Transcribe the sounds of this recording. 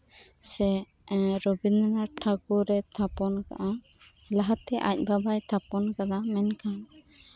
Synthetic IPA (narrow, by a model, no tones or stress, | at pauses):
sɛ | ɾɔbinnaɾʈʰakuɾɛt̪ʰapɔnka̰ʔa | laɦat̪ɛʔa̰c̚babajt̪ʰapɔnkad̪amɛnkʰan